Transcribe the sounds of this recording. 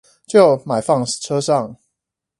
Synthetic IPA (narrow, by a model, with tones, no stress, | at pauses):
t͡ɕjo˥˨ʊma˨˩ɪfɑ˥˨ŋ˨ʈ͡ʂʰɤ˦˥ʂɑ˥˨ŋ